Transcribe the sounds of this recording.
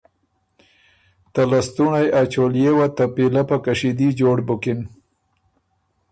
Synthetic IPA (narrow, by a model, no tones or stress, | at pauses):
t̪alast̪unajat͡ʃoljewat̪apilapakaʂid̪id͡ʒoɽbʊkɪn